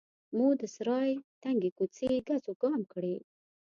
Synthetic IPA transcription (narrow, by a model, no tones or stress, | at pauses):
mud̪əsɾɑjt̪aŋɡekut͡seɡazoɡ̥ɑmkɽe